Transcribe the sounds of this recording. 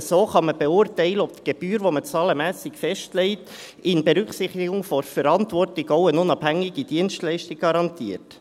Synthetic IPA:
soːχɑməb̥eʊːrtɛɪləɔb̚t̪ɡ̥eb̥yːɾʋomət͡sɑːləmæːsɪkfɛʃtlɛɪt | ɪnbeɾʏkχsɪχtɪɡʊŋfɔɾfəɾɑntvɔrtɪɡɔʊənʊnɑbhæŋːɪɡid̥iənstlɛɪʃtɪk̚ɡ̥ɑɾɑntiːərt

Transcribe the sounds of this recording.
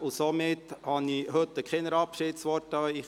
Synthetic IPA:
ʊsomɪthɑnihɵt̪ːəkχɛnəɾɑpʃɪtsʋɔɾtɑi

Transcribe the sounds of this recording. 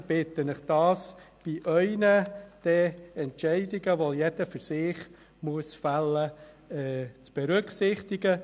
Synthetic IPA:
b̥ɪt̪ːənəχd̥ɑːsb̥iʔœʏnəd̪̥ɛɛntʃɛɪdiɡəʋojɛd̥əfʏɾsɪːχ | muəsfalːə | ɛt͡sb̥ɛɾʏksɪχt̪iɡə

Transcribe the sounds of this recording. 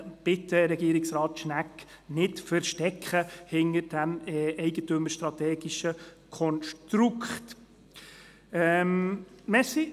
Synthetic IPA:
b̥ɪtəɾɛɡiːɾɪksrɑːt̪ʃnæk | nɪtfəɾʃtɛkχəhɪnəɾd̥æmɛɪɡətøməʃt̪ɾɑt̪ɛːɡ̥iʃəkʰɔnʃtɾukχt | ɛm | mɛssi

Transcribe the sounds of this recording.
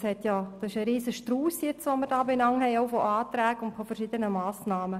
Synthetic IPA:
shɛtjɑd̥ɑsɪʃəɾiːzəʃtruːsjɛt͡sʋoməɾdɑːbenɑŋhɛɪoʊfoʔaːtɾæːɡʊntfofərʃidənəmaːsnɑːmə

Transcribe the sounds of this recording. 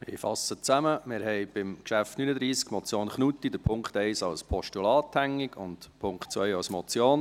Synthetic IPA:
mɪ̰fɑ̰sət͡sæməmɪɾɦɛɪb̥ɪmkʃæftnynəd̪ɾiːskmɔt͡sjoːnχnut̪ːid̪əɾpʰʊŋkχt̪ɛɪsɑwspʰɔʃtulɑːt̪hæŋːɪɡ̥ʊ̰ntpʰʊŋktt͡sʋœjɑwsmɔt͡sjoːn

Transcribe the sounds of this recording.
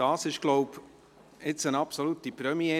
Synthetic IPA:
ɑːsɪʃɡ̥loʊp | ɪt͡sənɑpsolut̪ipɾœmie

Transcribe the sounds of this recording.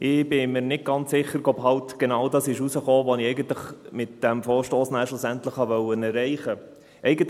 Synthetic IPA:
ʔɪbɪmɪɾnɪd̚ɡ̥ɑnt͡sːɪχəɾɡɔpɦɑltɡ̥enɑwdɑsɪʃusəχoːʋɔniɛɪɡəntləχmɪt̚d̥ɛmfoːɾʃtoːsnæːɾʃlʊsæntləχhɑʋœwənɛɾɛɪχə | ʔɛɪɡənt

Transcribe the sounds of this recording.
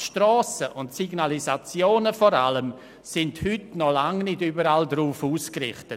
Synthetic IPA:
ʃtrɔːsəʔʊntsiɡnalizat͡sjoːnəfɔɾa̰ləm | sɪndhʏtnɔlaŋnɪdyːbəɾaldɾuːfuːskrɪ̰χtət

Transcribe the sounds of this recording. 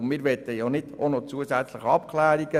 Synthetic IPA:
mɪːɾʋɛt̪əjonɪd̥onɔt͡suəsæt͡sləχɑpkʰlæːɾiɡ̥ə

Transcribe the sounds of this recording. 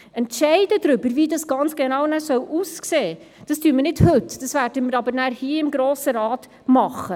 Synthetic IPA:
ɛntʃɛɪd̥ədɾʏbəɾviːdɑsɡ̥ɑnt͡sɡ̥enɑwnæsœwʔuskseː | d̥ɑstyːəmənɪdhɵtd̥ɑsvæːrdəməɾɑbəɾnæːɾhiəɪmɡɾoːsəɾɑːt | mɑχə

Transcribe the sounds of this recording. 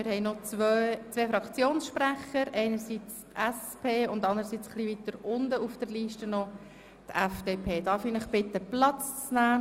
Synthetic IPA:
mɪɾhɛɪnot͡sʋøt͡sʋeːfɾɑkt͡sjoːnsʃpɾæχəɾɛɪnəɾsit͡stɛspʰeːʊndɑnd̪əɾəsit͡sχliʋitəɾʊndəufd̥əɾliːʃtənɔ | t̪ɛfd̥eːpʰeːd̥ɑːɾfiːnəχbɪt̪ːəplɑt͡st͡snæː

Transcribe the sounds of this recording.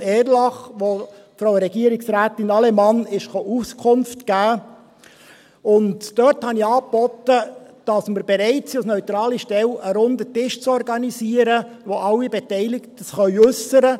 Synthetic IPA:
ɛːɾlɑχʋo | fɾoʊɾɛɡiəɾɪksɾæːtɪnɑlɛmɑnɪʃχoʔuskʰʊnftɡ̥æː | ʊndd̥œthɑniɑːpb̥ɔtəd̥ɑsməɾbeɾɛɪt͡siusnœʏt̪ɾɑːliʃtɛləɾʊndətɪʃt͡sɔrɡɑnisiːəɾəʋoʔɑlːibɛtɛɪlɪktəsχœʏʉsəɾə

